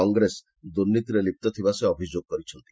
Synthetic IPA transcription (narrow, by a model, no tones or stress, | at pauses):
ɔŋɡɾes | d̪uɾnːit̪iɾelip̚t̪ɔt̪ʰibaseɔbʱid͡ʒoɡ̚kɔɾit͡ʃʰɔnt̪i̥